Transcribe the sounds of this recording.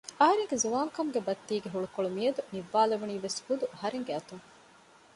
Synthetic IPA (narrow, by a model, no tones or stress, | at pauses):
ɐɦɐɾeŋɡezuʋaːŋkɐmuɡebɐt̪ːiːɡeɦuɭukoɭumijɐd̪uniʋːaːlɐʋuniːʋesɡud̪uɐɦɐɾeŋɡeɐt̪uŋ